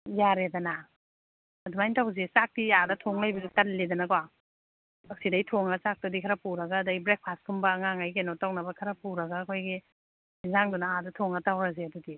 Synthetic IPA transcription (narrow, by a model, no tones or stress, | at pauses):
jaɾedɐna | ɐdumajntʰawzesak̚tiadɐtʰoŋlajbizutɐlledɐnɐkwa | ɐk̚sidɐjtʰoŋɐsak̚tɐdikʰaɾɐpuɾɐɡɐːdɐɡibɾek̚pʰastkʰumbɐːŋaŋajkenotawnɐbɐkʰɐɾɐpuɾɐɡaːkʰojɡi | izaŋdunaadɐtʰoŋɐtawɾɐzeɐdudi